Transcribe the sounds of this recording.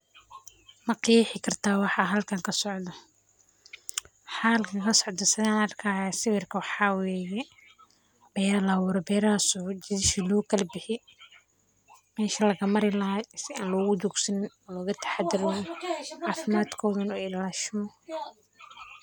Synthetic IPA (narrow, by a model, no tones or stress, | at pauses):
mɐqiħɪkʰɐrt̪ʰaːwɑħɑːɦɐlkʰɐŋkʰɐsɔʕd̪ɐ | wħɑhɐlkʰɐŋkʰɐsɔʕd̪ɐsɪðaːnɐrkʰaːjasɪwɪrkʰɐwɑħɑːwɛːjɛ | b̥ɛːɾɐlɐwɔːɾɔbɛːɾasɔːd͡ʒɪðɪʃilɔːkʰɐlbɪħɪ | mɛːʃɐlɐɣɐmɐɾɪlɐɦasɪaːnlɔːɣʊd͡ʒuːɡsɐnɪnɔːlɔːɣɐt̪ʰɐ̥ħad̪ɪɾɪjɑːfɪmaːd̪kʰɔːðɐnɔːɪllaːʃɪmɔ